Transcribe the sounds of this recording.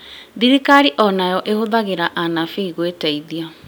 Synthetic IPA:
ðiɾikaɾiʔɔnajɔʔehoðaɣeɾaʔanafiiɣwetɛiðia

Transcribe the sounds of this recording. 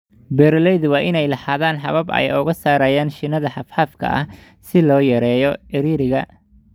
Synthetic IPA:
bɛːɾlɛjðwɑːʔɪnɛjlɐħaːðaːnħɑβɐbɐ̰jʊɣɐsaːɾɐjaːnʃɪnɐðɐħɑfħaːfkʰɐ̰ʔɐ̰h | sɪlɔːjɐɾɛːjɔɛɾiːɾɪɣɐ

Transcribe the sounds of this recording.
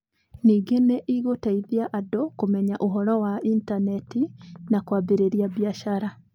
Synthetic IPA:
niːɡeneʔiɣotaiðjaʔadokumɛɲaʔuɦɔɾɔwaintanɛtinakwaːbeɾeɾjaβjaʃaɾa

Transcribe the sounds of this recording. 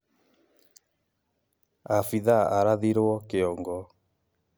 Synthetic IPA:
afiðaaɾaðiɾwɔkeɔŋɡɔ

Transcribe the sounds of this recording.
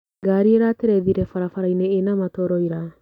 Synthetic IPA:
ɡaɾieɾateɾɛðiɾɛfaɾafaɾajnɛːnamatɔɾɔiɾa

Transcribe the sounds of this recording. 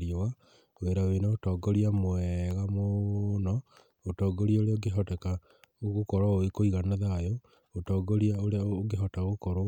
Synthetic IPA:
ɾiowa | weɾawenaotɔːɡɔɾiamoɛɣamonɔ | otɔːɡɔɾiaoɾeoɡeɦɔtɛka | ɣokɔɾwaoekoiɣanaðajo | otɔːɡoɾiaoɾooɡeɦɔtaɣokɔɾo

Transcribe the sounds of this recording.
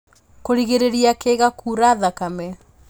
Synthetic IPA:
koɾiɣeɾeɾiakeɣakʰuːɾaðakamɛ

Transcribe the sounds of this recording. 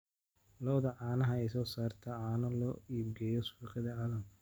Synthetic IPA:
lɔwðɐʕaːnɐɦɐɛjsɔːsaːrt̪ʰɐʕaːnɐlɔːiːbɡɛjɔsiːqɪðɐʕaːlɐm

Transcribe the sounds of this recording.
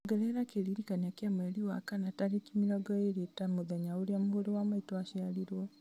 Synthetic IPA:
ɡɛɾɛɾakeɾiɾikaniakjamwɛɾiwa̰kanataɾekimiɾɔɡɔeɾetamoðaɲaoɾjamuhoɾewamaitɔaʃialiɾwɔ

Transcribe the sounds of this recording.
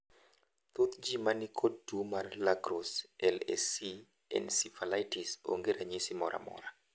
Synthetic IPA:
t̪ut̪d͡ʒimanikʰodumarlaɡɾosɛlɛ̰si | ɛ̰nsifalajtiso̰ŋɡeɾaɲisimɔɾʔa̰mɔ̰ɾa

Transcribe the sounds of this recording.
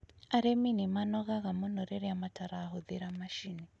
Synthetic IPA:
aɾeminɪmanɔɣaɣamɔnɔɾɛɾɛamataɾaːɦoðɪɾamaʃini

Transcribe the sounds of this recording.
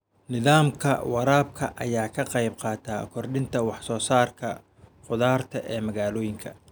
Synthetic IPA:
nɪðaːmkʰɐ̰wɑɾaːb̚kʰɐʔɐjaːkʰɐqɑjbqɑːt̪ʰaːkʰɔrɗɪnt̪ʰɐwɑħsɔːsaːrkʰɐ | qʊðaːrt̪ʰɐʔɛːmɐɣaːlɔːjɪŋkʰɐ

